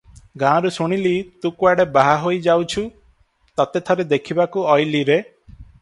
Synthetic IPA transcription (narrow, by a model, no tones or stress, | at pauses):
ɡãɾusuɽ̃ilit̪ũkuaɽebaɦaɦojd͡ʒawt͡ʃʰu | t̪at̪et̪ʰaɾed̪ekʰibakuɔjliɾe